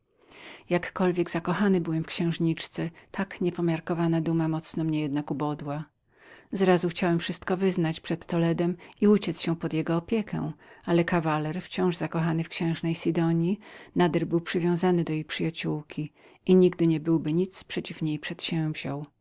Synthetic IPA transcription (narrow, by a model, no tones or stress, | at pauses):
jakːɔlvʲjɛɡzakɔxanɘbɘwɛmfkɕɛ̃w̃ʐɲit͡ʂt̪sɛt̪ʰakɲɛpɔmʲjaɾkɔvanad̪umamɔt̪snɔmɲɛjɛd̪̚nakubɔd̪wa | zɾazuxt͡ɕawɛmfʂɘst̪kɔvɘznat͡ɕpʂɛt̪ːɔlɛd̪ɛmiut͡ɕɛt̪sɕɛ̃pɔd̪jɛɡɔːpʲjɛkʰɛ̰̃w̃alɛkavalɛɾft͡ɕɔ̃w̃ʐzakɔxanɘfkɕɛ̃w̃ʐnɛjsʲid̪ɔɲjinad̪ɛɾbɘwpʂɘvʲjɔ̃w̃zanɘd̪ɔjejpʂɘjat͡ɕuwkʲi | iɲiɡd̪ɘɲɛbɘwbɘɲit̪spʂɛt͡ɕifɲejpʂɛt̪ɕɛ̃vʑɔw